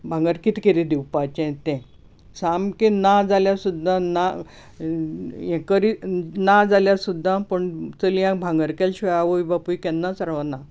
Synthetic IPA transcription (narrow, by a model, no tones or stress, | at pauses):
bʱãŋɡəɾkit̪keɾid̪iwpat͡ɕɛ̃t̪ɛ̃ | samkenad͡zaljasud̪ʱːãna | ɛ̃kəɾinad͡zaljasud̪ʱːãpəɳt͡səlijãbʱãŋɡəɾkelɕʋejaʋojbapujkɛ̃nːãsəɾʋana